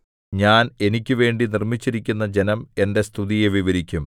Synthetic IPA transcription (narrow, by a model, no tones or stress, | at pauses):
ɲaːne̞nikʲːɨʋe̞ːɳɖinirmit͡ɕːiɾikʲːunːɐd͡ʑe̞nɐme̞nde̞st̪ʰuðijeʋiʋɐɾikʲːum